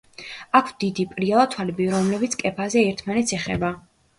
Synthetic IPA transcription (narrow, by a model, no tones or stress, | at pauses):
akʰvd̪id̪ipʼɾialˠat̪ʰwalɛbiɾɔmlɛbit̪sʰkʼɛpʰazɛːɾt̪ʰmanɛt̪sʰɛχɛ̰ba